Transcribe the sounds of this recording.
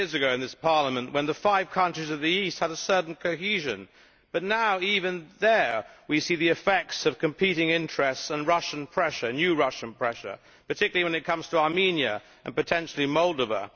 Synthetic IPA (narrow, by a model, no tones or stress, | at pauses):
ɹzɨɡoʊɨ̃nðɪspʰɑɹlˠəmɨ̃nʔwə̃nðəfaɪv̥kʰʌ̃nt͡ʃɹ̥izʌvðiist̚həɾəsɜ˞ʔn̩kʰoʊɦʉʒɨ̰̃n | b̥ʌtⁿnaʊivɨ̃nðə˞wisiðiɨfɛk̚tsʌv̥kʰɨ̃mpʰiɾɪ̃ŋɪ̃nt͡ʃɹ̥ɛstsə̃nɹʌʃn̩pʰɹ̥ɛʃə˞njʉɹʌʃɨ̃npʰɹ̥ɛʃə̰˞ | pə˞tʰɪkjl̩ˠiwə̃nɨt̚kʰʌ̃mz̥tʰəɑɹmĩnjɨ̰ | ʔɨ̰̃npɨtʰɛ̃nʃl̩ˠimɔlˠdəvə̰